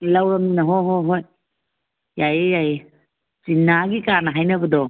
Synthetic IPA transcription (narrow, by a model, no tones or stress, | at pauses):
lawɾɐmnɐɦɔɦɔjɦojː | ajjaj | sinːaɡikanaɦajnɐbədɔ